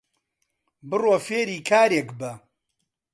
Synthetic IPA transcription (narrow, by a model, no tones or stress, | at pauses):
bɨroːfeːɾiːkʰaːɾekbɐ